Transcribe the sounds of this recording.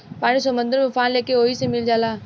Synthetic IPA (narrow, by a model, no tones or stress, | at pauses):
paːnisomə̃nd̪əɾmefʰaːnleːkeoːisemɪld͡ʒaːlaː